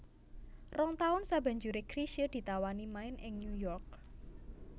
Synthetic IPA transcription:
rɔŋt̪aʊnsab̥a̤ɲd͡ʒuɾekɾiʃəd̪̥i̤t̪awanimaɪnʔɪŋnjujɔrk̚

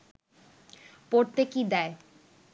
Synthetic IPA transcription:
poɾt̪ekid̪ɛe

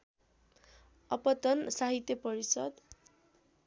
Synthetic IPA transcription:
ʌpʌt̪ʌnsaɦit̪jʌpʌɾisʌd̪

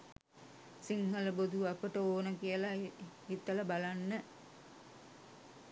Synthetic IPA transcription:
siŋɦələbod̪uapəʈəoːnəkijəlahit̪ːələbalanːə

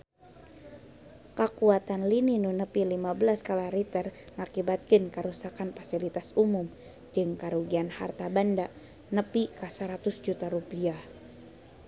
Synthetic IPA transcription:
kakuat̪anlininunəpilimabəlaskalaɾit̪ərŋakibat̪̚kɨnkəɾusakanfasilit̪asumum | d͡ʒɨŋkaɾuɡianha̰rt̪abanda | nəpikasəɾat̪ʊsd͡ʒut̪aɾupiah

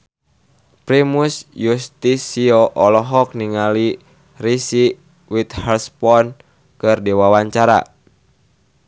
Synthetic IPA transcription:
pɾimusjust̪isiɔʔɔlɔɦɔk̚niŋali | risi | wit̪hɛlspɔn | kɨrdiwawaɲt͡ʃaɾa̰

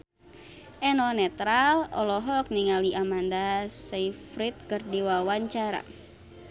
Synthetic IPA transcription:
ʔɛnɔnɛt̪ɾalɔ̰lɔɦɔk̚niŋaliʔamandasaifɾit̪̚kɨrdiwawaɲt͡ʃaɾa̰

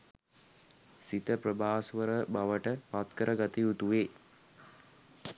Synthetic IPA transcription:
sit̪əprəbʱaːsʋəɾəbaʋəʈəpat̪kəɾʔəɡat̪iut̪uʋeː

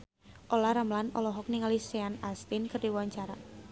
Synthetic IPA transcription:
ʔolahɾamlanɔ̰lɔɦɔk̚niŋaliseanast̪inkərdiwuwaɲt͡ʃaɾa

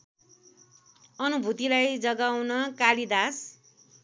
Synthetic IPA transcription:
ʌnubʱut̪ilajd͡zʌɡawnʌkalid̪as

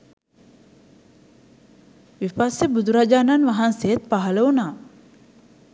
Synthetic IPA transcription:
ʋifasebud̪uɾad͡ʒaːnanʋaɦansejət̪̚paɦɐləunaː

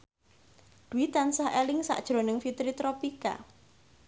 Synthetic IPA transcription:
d̪̥uit̪ansaɦelɪŋsa̰ʔd̥ʒ̥ɾo̤nɪŋfit̪ɾit̪ɾopika̰

